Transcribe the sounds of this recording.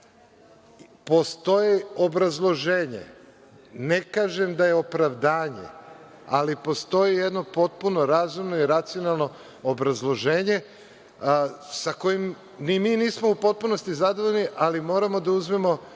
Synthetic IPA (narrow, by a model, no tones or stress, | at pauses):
po̞st̪o̞jio̞bɾazlˠo̞ʒe̞ːɲḛ | ne̞kaːʒe̞md̪aje̞o̞pɾaʋd̪aːɲḛ | alipo̞st̪o̞jijed̪no̞po̞t̪̚puno̞ɾazumno̞iɾat̪sio̞nalˠno̞ | obɾazlˠo̞ʒeːɲe̞ | sako̞jim | nimiːniːsmoupo̞t̪̚punost̪izad̪oʋo̞ʎniʔalimo̞ːɾamo̞d̪auzmemo̞